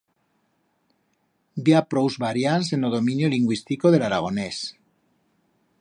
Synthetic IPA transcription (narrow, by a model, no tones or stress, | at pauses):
bjapɾowzβaɾjansenoðomĩnjoliŋɡwist̪ikoð̞e̞laɾaɣ̞o̞nes